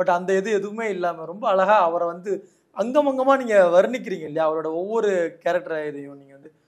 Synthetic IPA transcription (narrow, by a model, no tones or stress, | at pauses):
bɐʈːɐnd̪ɐɛðɯɛðɯʋɯmeːɪlːaːmɐɾɔmbɐːɭɐɣaːɐʋɐɾɐʋɐnd̪ɯ | ɐŋɡɐmɐŋɡɐmaːniːŋɡɐʋɐɾɯnɪk̬ːɪɾiːŋɡɐɪlːɐjaːɐʋɐɭoːɽɐɔʋːɔɾɯkɛːɾɐk̚ʈɐɾaːɪðɯjʊ̃niːŋɡɐʋɐnd̪ɯ